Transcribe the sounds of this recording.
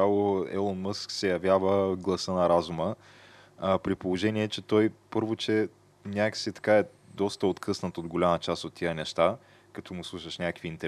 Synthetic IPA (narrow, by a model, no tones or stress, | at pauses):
alˠoɛ̰lˠonmɤsksɛjɐvʲjavəɡlˠɐsənɐɾazumə | pɾipolˠoʒɛniɛt͡ʃɛt̪ɔjpɤɾvot͡ʃɛ | nʲakə̥sit̪ɐ̥kaɛ | d̪ɔst̪əot̪kʰɤsnət̪od̪ɡolʲamət͡ʃast̪ot̪ːijənɛʃt̪a | kɐt̪ʰɔmʊslˠuʃəʃnʲakəkviiːnt̪ɛ